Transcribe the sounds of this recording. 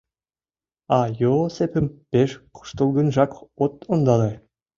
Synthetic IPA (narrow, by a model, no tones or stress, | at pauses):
ɑjosepʰʲɘ̆mpʲeʃqɤ̥̆ʃt̪ɤ̆lˠɡɤ̆nʒɑkot̪ŏnd̪ɑlʲe